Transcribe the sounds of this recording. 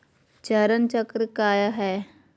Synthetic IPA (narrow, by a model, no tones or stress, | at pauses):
t͡ʃɐɾənt͡ʃəkɾəkaːjəɦɛː